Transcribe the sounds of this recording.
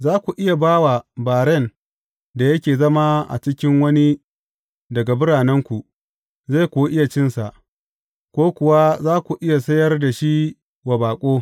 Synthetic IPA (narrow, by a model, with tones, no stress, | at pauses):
zaː˦kʷu˨ʔɪ˦ja˨baː˦wa˨baː˨ɽɛ˦˨n | da˨jɐ˦kʲeː˨zɐ˦ma˦ʔa̰˨t͡ʃɪ˦kʲɪ˦ŋwɐ˦ni˦ | dɐ˨ɡa˨bʊ˦ɽaː˨nɛ˦ŋkʷu˨ | za˦˨kʷu˦ʔɪ˦ja˨t͡ʃɪ˦nsa˨ʔ | kʷoː˦kʷʊ˨wa˦zaː˦kʷu˨ʔɪ˦ja˨sɐ˦jɐ˦rda˨ʃi˦ | wa˨baː˨kʷʼoː˦